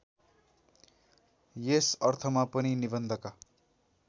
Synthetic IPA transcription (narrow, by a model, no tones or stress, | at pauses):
jesʌrt̪ʰʌmapʌninibʌnd̪ʱʌka